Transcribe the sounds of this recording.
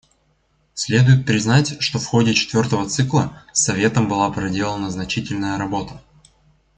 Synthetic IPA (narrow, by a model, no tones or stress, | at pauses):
sʲlʲe̞d̪ʊjɪt̪̚pɾʲɪznatʲʂt̪o̞fxo̞dʲɪt͡ɕɪ̥t̪vʲo̞rt̪əvət̪sɨklˠəsːɐvʲe̞t̪əmbɨlˠapɾɐdʲe̞lˠənəznɐt͡ɕitʲɪlʲnəjəɾɐbo̞t̪ə̥